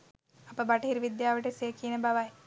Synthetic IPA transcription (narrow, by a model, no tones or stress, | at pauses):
apəbaʈɐɦiɾiʋid̪jaːʋəʈesekinəbaʋaj